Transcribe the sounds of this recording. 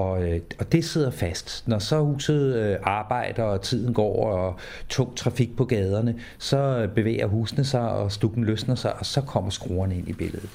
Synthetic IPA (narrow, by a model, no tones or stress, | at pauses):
ɒ̽ɒ̽d̥e̝se̝ð̞̰ˠɐfæsd̥nɒsɒ̽huːsð̞̩ˠøɑ̈ːb̥ɑ̈ɪ̰d̥ɐɒt͡sʰið̞̰ˠn̩ɡ̥ɒ̰ɐɒ | t͡sʰɔ̰ːt͡sʰʁɑ̈fiɡ̥̚pʰɒ̽ɡ̥ɛːð̞ˠɐnə | sɒ̽b̥e̝ʋḛːɐɦuːsnəsɑ̈ɪɒ̽sd̥uɡ̥n̩løsnɐsɑ̈ɪʔɒ̽sɒ̽kʰɒ̽m̰ɐsɡ̥ʁoːɐne̝n̰ib̥eləð̩ˠ